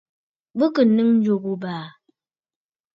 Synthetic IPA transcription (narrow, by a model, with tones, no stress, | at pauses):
bɨ˦kɨ˨nɨ˦ŋn̩˦d͡ʒo˦˨ku˦baː˨